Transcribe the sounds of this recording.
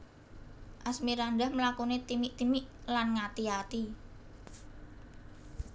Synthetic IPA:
ʔasmiɾandahməlakunet̪imiʔt̪imɪʔlanŋat̪iat̪i

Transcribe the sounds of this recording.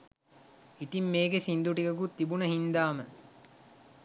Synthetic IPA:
it̪imːeːɡesind̪uʈikɐɡut̪ːibunəɦind̪aːmə

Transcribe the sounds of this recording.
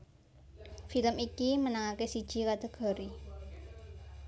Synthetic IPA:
filəmikimənaŋakesid̥ʒ̥i̤kad̪̥a̤ɡ̥ɔ̤ɾi

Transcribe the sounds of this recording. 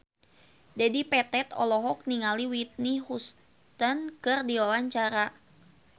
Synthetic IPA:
d͡ʒadipɛt̪ɛt̪ɔ̰lɔɦɔk̚niŋaliwit̪̚nihus | t̪ənkɨrdiwawaɲt͡ʃaɾa

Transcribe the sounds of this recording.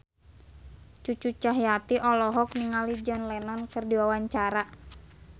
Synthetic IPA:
t͡ʃut͡ʃut͡ʃaɦjat̪iʔɔlɔɦɔkniŋalid͡ʒɔnlɛnɔnkɨrdiwawaɲt͡ʃaɾa

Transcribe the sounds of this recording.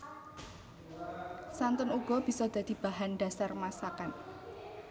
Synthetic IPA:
sant̪ʊnuɡ̥ɔ̤b̥i̤sɔd̪̥ä̤d̪̥i̤b̥a̤ɦanɖ̥a̤sarmasakan

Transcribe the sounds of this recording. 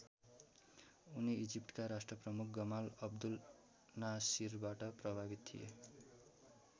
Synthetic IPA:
uniid͡zip̚ʈkaɾasʈrʌprʌmuk̚ʰɡʌmalʌbd̪ul | nasirbaʈʌprʌbʱabit̪t̪ʰḭje

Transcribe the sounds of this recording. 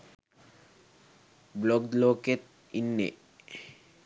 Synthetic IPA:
blokd̪loket̪̚ | inːḛ

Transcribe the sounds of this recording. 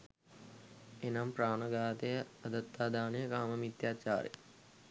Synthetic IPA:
enampraːnɐɡaːt̪ejəɐd̪ət̪ːaːd̪aːnejəkaːməmit̪jaːt͡ʃa̰ːɾḛ

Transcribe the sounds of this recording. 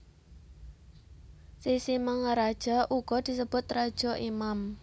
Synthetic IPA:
sisiməŋəɾad̥ʒ̥ɔʔuɡ̥ɔd̪̥i̤səb̥ʊt̪rad̥ʒ̥ɔ̤ʔimam

